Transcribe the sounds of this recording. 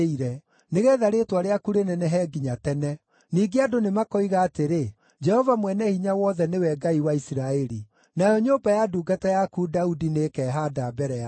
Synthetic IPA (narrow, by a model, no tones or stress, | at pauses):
iɾɛ | neɣɛːðaɾetwaɾeakuɾenɛnɛɦɛːɡiɲatɛnɛ | niːɡeadonemakɔiɣaːteɾe | d͡ʒɛhɔvamwɛnɛhiɲawɔðɛnewɛɡaiwaisiɾaɛɾi | najɔɲoːbajaduːɡatajakuːdaudinekɛɦadabɛɾɛa